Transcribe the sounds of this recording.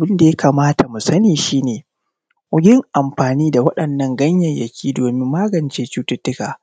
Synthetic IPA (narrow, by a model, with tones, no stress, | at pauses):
ʔa˨bɪ˦nda˨jɐ˦kaː˨maː˦ta˨mu˨sɐ˦niː˨ʃiː˦neː˨ | wʷʊ˦ɡʲɪ˦ŋʔa˨mɸaː˨niː˦da˨wɐ˦ɗɐ˨nːɐ˦ŋɡɐ˦ɲjɐ˨ɲjɐ˨kʲʰiː˦doː˨mɪ˦mːaː˦ɡɐ˨nt͡ʃeː˦t͡ʃuː˦tʊ˦tːʊ˦ka̰ː˨